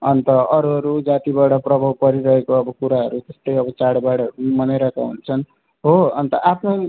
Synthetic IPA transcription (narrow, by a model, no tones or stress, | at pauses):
ʌnt̪ʌʌɾuɦʌɾud͡zat̪ibaɽʌprʌbʱawpʌɾiɾʌɦekoʌbʌkuɾaɦʌɾut̪est̪ʌjʌbʌt͡saɽbaɽʌumʌnajɾʌkaɦṵnt͡sʰʌn | ɦoʌnt̪ʌʔapʰno